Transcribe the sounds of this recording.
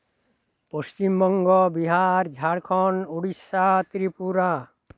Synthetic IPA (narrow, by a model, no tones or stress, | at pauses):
post͡ʃimbɔŋɡɔbiɦaɾd͡ʒʱaɽkʰɔnuɽisat̪ɾipuɾa